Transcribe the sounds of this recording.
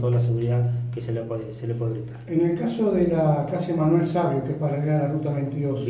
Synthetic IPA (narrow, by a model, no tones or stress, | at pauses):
t̪olasamleakeselepeðeselepweeɣɾit̪aɾeŋelkasoðelakasjemanwelsaβjokepareɣaɾlarut̪aβejnt̪iðos